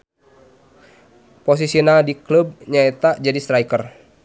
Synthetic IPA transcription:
pos̬isinadiklub̚ɲaɛt̪ad͡ʒadist̪ɾajkər

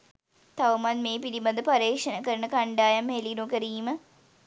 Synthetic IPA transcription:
t̪aʋɐmanmeːpiɾibɐnd̪əpaɾeːkʂənəkəɾənəkaɳɖaːjamelinukəɾiːmə

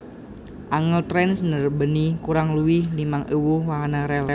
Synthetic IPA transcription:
ʔaŋəlt̪ɾɛnsənərbənikuɾaŋluwɪhlimaŋʔiwuwaɦanaɾɛlɛ

